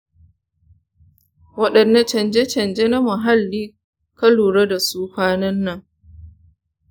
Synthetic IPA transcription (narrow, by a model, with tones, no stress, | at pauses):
wɐ˦ɗɐ˨nːa˦t͡ʃɐ˨nd͡ʒe˦t͡ʃɐ˨nd͡ʒe˦na˦mɐ˨ɦa˦lːiː˦ | kɐ˦luː˨ɽa˦da˨suː˦ɸaː˦nɐ˦nːɐ˨ŋ